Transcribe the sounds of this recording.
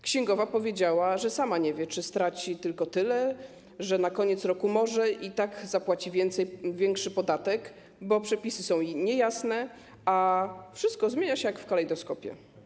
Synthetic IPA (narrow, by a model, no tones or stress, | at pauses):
kɕɛŋɡɔvapɔvʲjed͡ʑawaʐɛsamaɲɛvʲjɛt͡ʂɘst̪ɾat͡ɕit̪ɘlkɔt̪ɘlɛ | ʐɛnakɔɲɛt̪sɾɔkumɔʐɛʔit̪aɡzapwat͡ɕivʲjɛnt̪sɛjvʲjɛŋkʂɘpɔd̪at̪ɛk | bɔpʂɛpʲisɘsɔ̃w̃jɲɛjasnɛ | afʂɘst̪̚kɔzmʲeɲaɕɛjakfkalɛjd̪ɔskɔpʲjɛ̰